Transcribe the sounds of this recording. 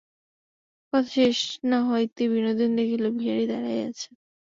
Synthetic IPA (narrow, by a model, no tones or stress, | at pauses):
kɔt̪ʰʃeʃnaɦɔjt̪ibinod̪ind̪ekʰilobʱiaɾid̪aɾaja̰t͡ɕʰe